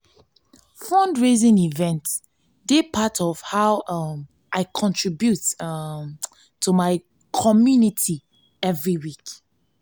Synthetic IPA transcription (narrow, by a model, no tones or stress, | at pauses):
fɹɔ̃ndɹezĩnivɛ̃nt | depʰatʰɔv̥haʊm | ʔaɪkʰɔ̃ntʰɹibjut | tʰumaɪ | kʰɔmjunitʰi | ɛvɹiwik